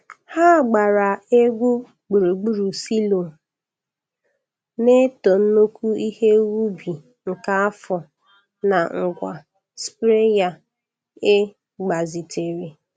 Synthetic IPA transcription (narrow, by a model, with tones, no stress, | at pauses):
ha˦˨ɡ͡ba˨ɾa˨e˦ɡʷu˦ | ɡ͡bu˨ɾu˨ɡ͡bu˦ɾu˨si˦lo˨ | ne˦tɔ˨n̩˦no˦kʷu˦i˦he˦wu˦bi˨ | ŋ̩˨ka˦a˦fɔ˨ | na˨ŋ̩˨ɡʷa̰˨ | spɾe˦ja˦ | e˦ | ɡ͡ba˨zi˨tʰe˨ɾi˨